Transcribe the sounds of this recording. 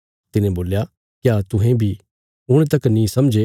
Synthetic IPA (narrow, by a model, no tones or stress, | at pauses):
t̪ɪnẽboːlja | kjaːt̪ʊ̃ɦẽbʱi | ʊɽ̃t̪ɐknĩsɐmd͡ʒe